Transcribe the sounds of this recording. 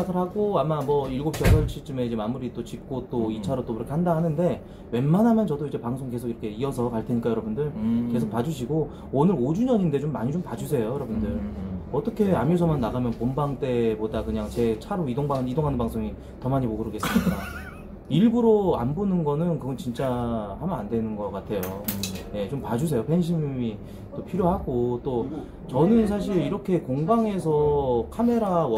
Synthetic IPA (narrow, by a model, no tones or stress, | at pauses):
aɡɯɭhaɡoamamʌiɭɡop̚t͡ɕ͈ʌnʌɭt͡ɕʰit͡ɕ͈ɯme̞id͡ʑe̞mamuɾit͈ot͡ɕik̚k͈ot͈oit͡ɕʰaɾot͈oiɾʌkʰehandaɦanɯnde̞ | we̞nmanɦamjʌnt͡ɕʌdoid͡ʑe̞paŋsʰoŋk̬e̞sʰoɡiɾʌkʰe̞iʌs̬ʰʌkaɭtʰe̞ɲik͈ajʌɾʌbundɯɭke̞sʰok̚pad͡ʑuɕʰiɡo | onɯɾod͡ʑuɲʌɲinde̞t͡ɕomːaɲit͡ɕompad͡ʑus̬ʰe̞jojʌɾʌbundɯɭʌt͈ʌkʰe̞amios̬ʰʌmanːaɡamjʌnpombaŋt͈e̞bodakɯɲaŋt͡ɕe̞t͡ɕʰaɾoidoŋbaŋidoŋɦanɯnpaŋs͈ʰoŋi | tʌmaɲimoɡɯɾɯɡe̞s͈ɯmik͈a | iɭbuɾoa̰nbonɯnɡʌnɯnkɯɡʌnt͡ɕint͡ɕ͈ahamʌnandwe̞nɯnɡʌk͈atʰe̞joje̞t͡ɕompad͡ʑus̬ʰe̞jopʰe̞nɕ̬ʰimmi | t͈opʰiɾjoɦaɡot͈o | t͡ɕʌnɯns̬ʰaɕ̬ʰiɾiɾʌkʰe̞koŋbaŋe̞s̬ʰʌkʰame̞ɾaw